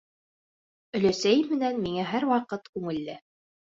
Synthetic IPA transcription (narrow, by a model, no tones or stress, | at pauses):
ɵ̆læsæjɘmmɘ̆nænmiŋæɦæɾwɑqɤt̪kʉŋɘ̆lːɘ